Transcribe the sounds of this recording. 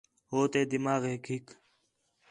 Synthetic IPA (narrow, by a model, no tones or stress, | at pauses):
ɦoːt̪eːd̪ɪmaːɣeːkɦɪk